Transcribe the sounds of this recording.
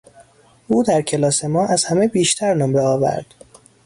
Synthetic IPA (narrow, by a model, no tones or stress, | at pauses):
ʔuːd̪æɾcʰe̞lɒːse̞mɒːʔæz̥hæmebiːʃt̪ʰæɾnombeɒːvæ̰ɾd̪̥